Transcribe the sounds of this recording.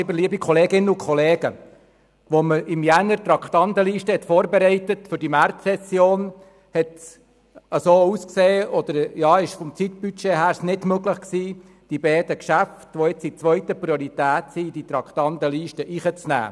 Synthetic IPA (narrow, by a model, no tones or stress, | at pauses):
bəɾliəbikʰχɔleːɡɪnːəukʰχɔleːɡ̥ə̰ | ʋɔməʔɪmjænəɾt̪ɾɑkχt̪ɑnd̪əliːʃtəhɛt̪foːɾbɛɾɛɪtətfʏɾdimærtsɛsjoːn | hɛts | əsoːuskseːɔd̥̪əɾjɑːɪʃfɔmt͡sit̪byt͡ʃeɦæːɾsnɪdmøɡləχksiː | d̥ibɛːd̥əkʃæftʋɔɪt͡sit͡sʋœʏtəpriɔɾit̪æːtsid̥it̪ɾɑkχt̪ɑnd̪əliːʃtəʔiχət͡snæ̰ː